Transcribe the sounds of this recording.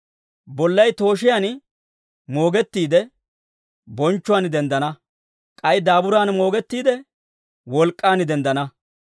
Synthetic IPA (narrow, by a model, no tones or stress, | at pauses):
bɔlːɐjt̪o̞ːʃɪjaːn | mo̞ːɡɛt̪ːiːd̪ɛ | bɔnt͡ʃːʊwaːnd̪ɛnd̪ɐnɐ | kʼɐjd̪aːbʊɾaːnmo̞ːɡɛt̪ːiːd̪ɛ | wɔlkʼːaːnd̪ɛnd̪ɐnɐ